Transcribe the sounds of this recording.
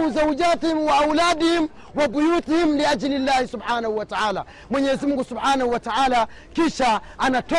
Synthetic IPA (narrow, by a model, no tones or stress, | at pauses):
uzawd͡ʒaːtihimwaːwlaːdihim | wabujutihimliad͡ʒlilːahisubħaːnahuwataaːla̰ | mwɛɲɛzimuŋɡusubħaːnahuwataʔaːla | kiʃaanatɔ